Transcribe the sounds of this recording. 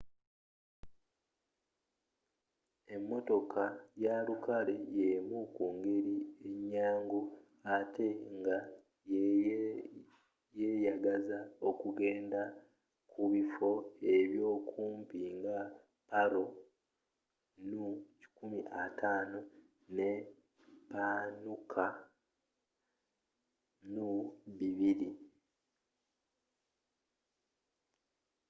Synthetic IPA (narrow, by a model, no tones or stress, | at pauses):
e̞mːo̞to̞kʰajalukale̞jemukuŋɡe̞ɾie̞ɲːaːŋɡo | ate̞ŋɡa | j | jejaɡazao̞kuɡe̞ːnda | kʰuβifo̞e̞βjo̞ːkʰuːmpiŋɡa | paɾo̞ | nuci̥kumiʔatʰaːno | ne | panukʰa | nuβiβiɾi